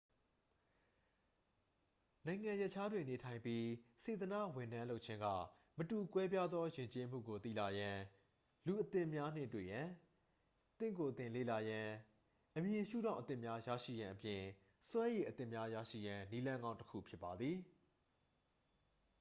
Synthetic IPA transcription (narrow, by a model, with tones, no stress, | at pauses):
nã˨ɪ̃ŋã˨jɛ˦ʔt͡ɕʰa˦dwɪ̃˨ne˨tʰã˨ɪ̃mpji˦se˨t̪ənä̰˦˨wɪ̃˨ndã˦lo˦ʔ̚t͡ɕʰɪ̃˦ŋɡa̰˦˨ | mətu˨kwɛ˦pja˦d̪ðɔ˦jɪ̃˨ɲt͡ɕe˦m̥ṵ˦˨ɡo˨t̪ḭ˦˨la˨jã˨ | lu˨ʔət̪ɪ̃˦˨mja˦n̥ɪ̰˦˨twḛ˦˨jã˨ | t̪ɪ̰̃˦˨ko˨t̪ɪ̃˨lḛ˦˨la˨jã˨ | ʔəmjɪ̃˨ʃṵ˦˨dã˦˨ʊʔət̪ɪ̰̃˦˨mja˦jä̰˦˨ʃḭ˦˨jã˨ʔəpjɪ̃˨ | swã˦je˨ʔət̪ɪ̃˦˨mja˦jä̰˦˨ʃḭ˦˨jã˨ni˦lã˦ŋɡã˦ʊ̃təkʰṵ˦˨pʰjɪ˦pːa˨d̪ði˨